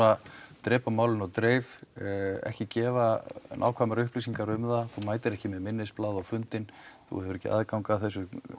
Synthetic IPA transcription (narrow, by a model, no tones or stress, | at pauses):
at̪ɾɛːpamaːwlɪnawt̪ɾeːjv | ɛ̰hcɪcɛːva̰nʔa̰wkʰvamaɾʏhplisiŋkaɾʏmðaθuwmaːjt̪ɪɾɛhcɪmɛðmɪnːɪsplaːðawfʏnt̪ɪnθṵhɛvʏɾɛhcɪʔaðkawŋkaθɛs̬ːʏ